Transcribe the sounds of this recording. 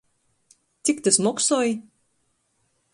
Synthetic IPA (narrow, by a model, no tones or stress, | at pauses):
t̪ʲikt̪ʲɨsmɔksɔːj